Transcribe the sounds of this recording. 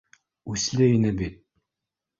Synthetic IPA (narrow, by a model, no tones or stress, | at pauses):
ʉslɘinɘbit̪̚